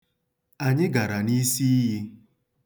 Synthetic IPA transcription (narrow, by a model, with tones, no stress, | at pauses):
a˨ɲɪ˦ɡa˨ɾa˨ni˦si˦ɦi˦